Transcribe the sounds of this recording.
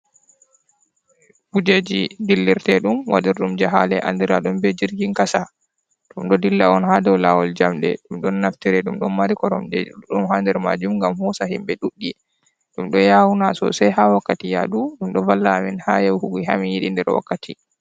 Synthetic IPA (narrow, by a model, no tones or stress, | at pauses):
bud͡ʒed͡ʒidilːiɾtɛɗumwa̰diɾɗumd͡ʒaɦalɛʔa̰ndiɾa̰ɗumbɛd͡ʒiɾɡiŋkasa | ɗumɗɔdilːaɔnhadɛwlawɔld͡ʒamɗɛ̰ɗumɗɔnːaftiɾɛɗumɗɔnmaɾikɔɾɔmɗumhandɛɾma̰d͡ʒumŋɡamhɔsahimbɛɗuɗːi | ɗumɗɔjawunasɔ̰sajhawakːatija̰ɗuɗumɗɔvalːaminhajɛwhuɡiɦamijiɗindɛɾwa̰kːatʰi